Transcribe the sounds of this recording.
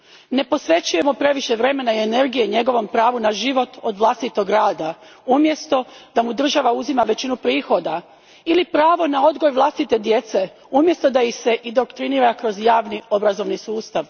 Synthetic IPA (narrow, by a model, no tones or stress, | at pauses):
ne̞po̞sʋe̞t͡ɕuje̞mo̞pɾe̞ʋiʃe̞ʋɾe̞me̞naiene̞ɾɡijeɲe̞ɡo̞ʋo̞mpɾaːʋunaʒiʋo̞t̪o̞d̪ʋlˠast̪it̪o̞ɡɾaːd̪a | umje̞st̪o̞d̪amud̪r̩ʒaʋauzimaʋe̞t͡ɕinupɾiːxo̞d̪a | ilipɾaːʋo̞nao̞d̪ɡojʋlˠast̪it̪e̞d̪je̞t̪se̞ | umje̞st̪o̞d̪aixse̞ʔid̪o̞kt̪ɾiniːɾakɾo̞zjaːʋnio̞bɾazo̞ʋnisuːst̪aʋ